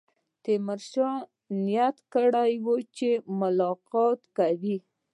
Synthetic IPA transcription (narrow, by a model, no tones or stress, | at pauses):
t̪emaɾʃɑ | njat̪kəɽajwot͡ʃemʊlɑqɑt̪kawi